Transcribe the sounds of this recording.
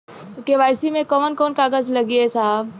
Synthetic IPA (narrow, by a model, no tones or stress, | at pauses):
keʋaːjsimẽkəʋənkoːnkaːɡəd͡ʒlɐɡiesaːb